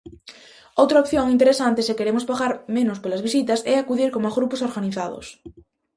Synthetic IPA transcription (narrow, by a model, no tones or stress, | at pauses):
owt̪ɾaop̚θjoŋint̪eɾesant̪esekeɾemʊspaɣaɾmẽnʊspolɐzβisit̪ɐsɛakuðiɾkomazɣɾupʊsoɾɣaniθaðʊ̰s